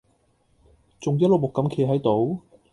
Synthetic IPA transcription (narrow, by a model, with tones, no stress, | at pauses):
t͡sʊ˨ŋjɐ˥lo˨˩mʊ˨kːɐ˨˥mkʰe˧ɦɐ˨˥jt̪o˨˧˥w